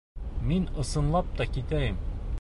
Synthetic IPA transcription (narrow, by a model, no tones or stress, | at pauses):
minɤ̆sɤ̆nlˠɑp̚t̪ɒkit̪æjɘm